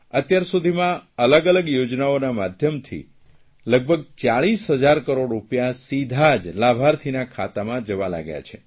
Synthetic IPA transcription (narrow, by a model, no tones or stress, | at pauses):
ət̪jaɾsud̪ʱimãələɡələɡjod͡ʒnaonamad̪ʱjəmt̪ʰḭ | ləɡ̚bʱəɡ̚t͡ʃaɭisɦəd͡ʒaɾkəɾoɽɾupjasid̪ʱad͡ʒlabʱaɾt̪ʰinakʰat̪amãd͡ʒəʋala̰ɡja̰t͡ʃʰe